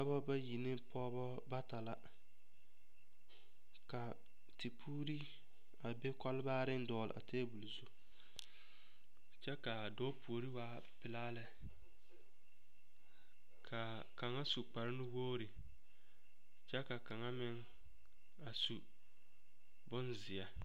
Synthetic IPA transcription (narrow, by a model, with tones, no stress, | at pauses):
a˦bɔ˦ba˦ji˨nɪ˦pɔː˦bɔ˦ | ba˦ta˨la˦ | ka˨ | ti˨pʰuː˦ɾi˦ | a˨be˦ka˦lbaː˦ɾɪ˦n˦dɔː˨l̰ʔa̰˨teː˦bu˨lzu˦ | t͡ʃɛ˦ka˨dɔː˦pu˨o˨ɾi˦waː˦ | pɪ˨laː˦lɪ˦ | kʰa˨ | ka˨ŋa˦su˨k͡pa˨ɾɪ˦nɪ˦woː˦ɾi˨ | t͡ʃɛ˦ka˨ka˨ŋa˦mɪ˦ŋ | a˨su˨ | bʊ˦nzɪ˨a˨